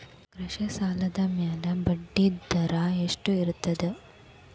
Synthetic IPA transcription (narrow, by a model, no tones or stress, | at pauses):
ɡɾɐʃɐsaːlɐd̪ɐmjaːlɐbɐɖːid̪ɐɾaːeʂʈuiɾut̪ːɐd̪e